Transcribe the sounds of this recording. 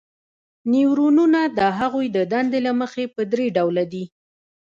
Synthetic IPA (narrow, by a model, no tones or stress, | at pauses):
niwɾununad̪əɦaɣujd̪əd̪and̪elaməxepəd̪ɾeɖawlad̪i